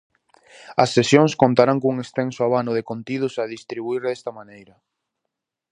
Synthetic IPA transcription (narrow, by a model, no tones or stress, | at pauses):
ɐsːesjoŋskont̪aɾaŋkuŋest̪ensoaβanʊðekont̪iðʊsaðist̪ɾiβuiɾðɛst̪ɐmanejɾɐ